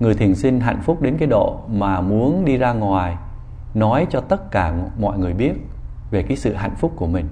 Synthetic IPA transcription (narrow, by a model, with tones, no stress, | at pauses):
ŋɨ˨˩əjt̪ʰi˨˩ənsï˧ŋ̟ɦa̰˧˨jŋ̟fʊ˦˥k͡p̚ɗe˨˦nkaː˨˦jɗo̰˧˨maː˨˩mu˨˦ənɗi˧zaː˧ŋwaː˨˩j | nɔ˨˦jt͡ɕɔ˧t̪ə˦˥t̚kaː˧˩mɔ̰˧˨jŋɨ˨˩əjɓi˦˥ət̚ | ve˨˩kaː˨˦jsɨ̰˧˨ɦa̰˧˨jŋ̟fʊ˦˥k͡p̚ku˧˩əmï˨˩ŋ̟